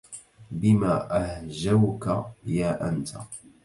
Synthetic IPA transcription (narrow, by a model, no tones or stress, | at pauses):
bɪmaːʔahʒawkajaːʔant̪ʰa̰